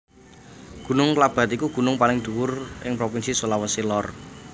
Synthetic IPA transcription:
ɡ̥ṳnʊŋklab̥a̤t̪ikuɡ̥ṳnʊŋpalɪŋd̪̥ṳwʊrɪ̰ŋpɾopinsisolawəsilɔr

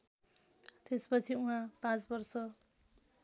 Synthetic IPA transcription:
t̪espʌt͡sʰiuɦãpãt͡sbʌrsʌ

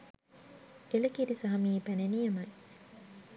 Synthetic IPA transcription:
elɐkiɾisɐɦɐmiːpænenijɐmɐj

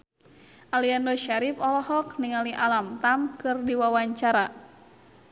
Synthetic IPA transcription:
ʔaliandoʃaɾipɔlɔɦɔk̚niŋaliʔalamt̪amkɨrdiwawaɲt͡ʃaɾa

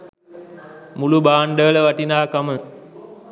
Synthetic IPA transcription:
mulubaːɳɖələʋaʈinaːkamə

